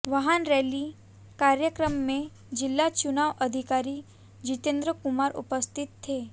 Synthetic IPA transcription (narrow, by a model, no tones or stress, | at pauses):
ʋaɦanɾɛli | kaɾjəkɾəmːẽ | d͡ʒilːat͡ʃunaʋʔəd̪ʱikaɾi | d͡ʑit̪ẽnd̪ɾəkumaɾṵpəst̪ʰit̪ʰːe